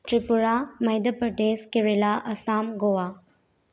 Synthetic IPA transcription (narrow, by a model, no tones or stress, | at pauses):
ʈɾipuɾamɐjd̪əpəʈeskiɾelaʔɐsaːmɡowa